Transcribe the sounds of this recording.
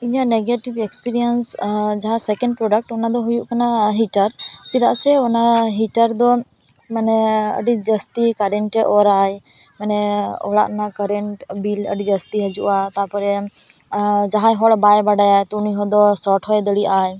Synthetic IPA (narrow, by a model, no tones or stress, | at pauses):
iɲaʔneɡeʈibɛkspiɾiənsd͡ʒaɦãsɛkɛɳɖpɾɔɖək̚ʈɔnad̪ɔɦujuʔkanaɦiʈəɾt͡ʃid̪aʔsɛɔnaɦiʈəɾd̪ɔ | manɛə̰ɖid͡ʒəst̪ikəɾɛɳʈɛʔɔɾaj | manɛɔ̰ɽa̰ʔnakəɾɛɳʈbilə̰ɖid͡ʒəst̪iɦəd͡ʒuʔat̪apɔɾɛ | d͡ʒaɦajɦɔɽbajbaɖajajt̪ɔniɦɔd̪ɔsɔʈʰɦɔjɛd̪əɽiʔaj